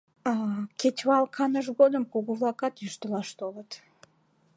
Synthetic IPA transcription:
ɑkʲet̪ʲβɑlˠkʰɑnəʒɡod̪əmkuɣuvlˠɑkɑt̪jyʃt̪əlɑʃt̪olət̪

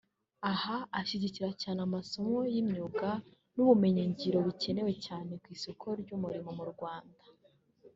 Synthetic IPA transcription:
ahaaʃiɟiciɾacaːnamaso̞mo̞jimɲuːɡa | nuβume̞ɲeɲɟiɾo̞βice̞ne̞we̞caːne̞kwiːsokʰo̞ɾɟumuɾimomuɾɡwaːndḁ

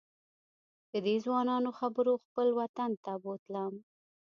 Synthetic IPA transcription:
d̪̥əd̪ezwɑnɑnoxabəɾoxpəlwat̪ant̪abot̪lam

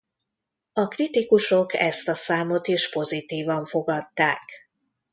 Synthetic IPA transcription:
ɒkrit̪ikuʃo̞kɛ̰st̪ɒsaːmo̞t̪iʃpo̞zit̪iːvɒɱfo̞ɡɒt̪ːaːk

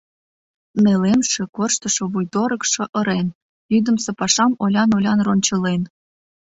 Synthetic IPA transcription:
melemʃĕkorʃt̪ə̆ʃŏβujt̪oɾə̆kʃɤ̆ʔə̆ɾen | yd̪ə̆msĕpɑʃɑmolʲɑnolʲɑnronʲt͡ɕə̆len

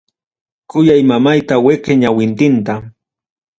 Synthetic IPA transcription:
kʊjajmamajt̪aweqeɲawɪnt̪ɪnt̪a

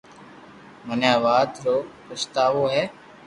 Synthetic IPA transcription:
mənjaːʋaːd̪ɾoːpəst̪aːʋoːɦɛː

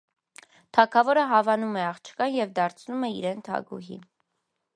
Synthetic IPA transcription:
t̪ʰɑkʰɑvɔɾəɦɑvɑnumɛɑχt͡ʃʰkɑnjɛvd̪ɑɾt͡sʰnumɛḭɾɛnt̪ʰɑ̰ɡṵɦḭ

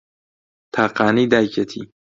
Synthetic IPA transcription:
t̪ʰaːqaːnid̪aːjkɐt̪ʰḭ

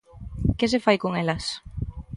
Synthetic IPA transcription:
kɪs̬efajkoŋelɐs

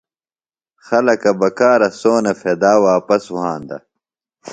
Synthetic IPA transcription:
xɐlɐkɐbɐkaːɾɐsoːnefeːd̪aːwaːpɐswɦãːnd̪ɐ̰

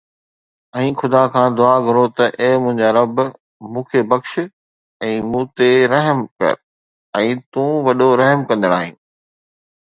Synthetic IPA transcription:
ɛ̃ːxʊd̪akʰãːd̪ʊaːɡʱʊɾot̪ɐʔeːmʊ̃ɦɪ̃ɲd͡ʑaɾɐb | mũːkʰebɐkʃ | ɛ̃ːmũːt̪eɾɐɦəmkɐ̰ɾ | ɛ̃ːt̪ũːʋɐɗoɾɐɦəmkɐ̃nd̪əɽ̃a̰ːɦḭ̃ː

